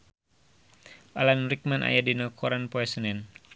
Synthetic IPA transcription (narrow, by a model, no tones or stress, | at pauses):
ʔalanrik̚manʔa̰jadinakʰɔɾanpoɛsənɛn